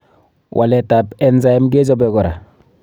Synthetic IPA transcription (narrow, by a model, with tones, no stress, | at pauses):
wʔa̰˨lɛ˨ta˨pɛnza˦e˦mɡe˦d͡ʒɔ˦bɛ˨ɡɔ˨ɾa̰˨